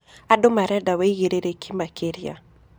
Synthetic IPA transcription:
adʊmaɾɛdaweiɣeɾeɾekʰimakʰeɾja̰

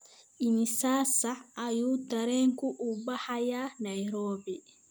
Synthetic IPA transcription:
inisaːsaːjutaɾɛŋkuʔubahajanajɾɔːbi

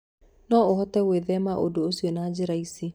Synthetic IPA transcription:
nɔohɔtɛweːðɛmaʔodoosionaːd͡ʒɪɾaisi

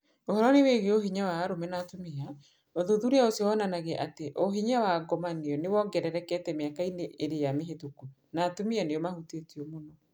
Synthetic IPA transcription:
ohɔɾɔneweɣeoɦiɲawaːɾomɛnatomea | oðoðuɾeaosiɔwɔnanaɣeʔateʔoɦiɲawaɡɔmaneɔnewɔɡɛɾɛɾɛkɛtɛmeakaineʔeɾejameɦetoku | natomianeɔmahutetiɔmonɔ

